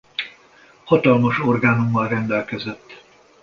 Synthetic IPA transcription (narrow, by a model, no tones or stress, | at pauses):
hɒt̪ɒlmoʃorɡaːnumːɒlrɛnd̪ɛlkɛzɛt̪ː